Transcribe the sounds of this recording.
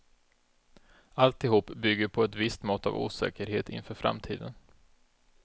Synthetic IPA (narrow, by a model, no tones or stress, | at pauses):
alt̪ɪhuːpːbʏɡːəɾpʰɔɛt̪vɪst̪mɔt̪ːa̰vṵːsɛ̰ːkəɾheːt̪ɪ̰nfœːɾfɾa̰mt̪ʰḭːd̪ən